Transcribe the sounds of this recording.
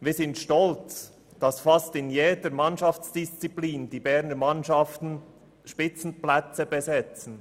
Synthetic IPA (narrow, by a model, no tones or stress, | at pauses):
viːzɪntʃtɔlt͡s | d̥ɑsfɑstɪnjeːdəɾmɑnʃɑft͡sd̥ist͡sipliːnd̥ibɛɾnəmɑnʃɑftn̩ | ʃpɪt͡sn̩plɛt͡səbezɛt͡sn̩